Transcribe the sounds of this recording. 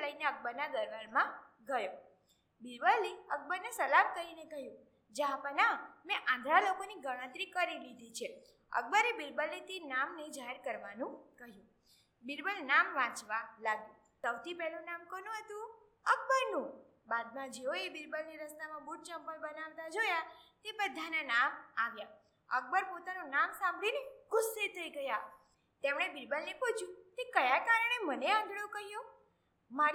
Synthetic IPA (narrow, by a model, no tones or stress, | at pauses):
ləineək̚bəɾnaɡ̪əɾʋəɭmãɡəjo | biɾbəliək̚bəɾnesəlamkəɾinekəɦjũ | d͡ʒɦãpənamɛ̃ʔãnd̪ʱɾalokoniɡəɽ̃ə̃t̪ɾikəɾilid̪ʱit͡ʃʰe | ə̰k̚bəɾibiɾbəlːit̪enamned͡ʒaɦeɾkəɾʋanũkəɦjũ | biɾbəlnamʋãt͡ʃʋalaɡjũ | səwt̪ʰipɛɦlũnamkonũɦət̪ũ | ək̚bəɾnũ | bad̪̚mãd͡ʒeoebɪɾbəlniɾəst̪amãbuʈ̚t͡ʃəmpəɾbənaʋt̪ad͡ʒojat̪epəd̪ʱːananamaʋja | ək̚bəɾpot̪anonamsãmbʱlineɡʊsːet̪ʰəiɡəja | t̪emɽ̃ebɪɾbəlneput͡ʃʰjũkekəjakaɾəɳ̃eməneãd̪ʱɽokəɦjo | ma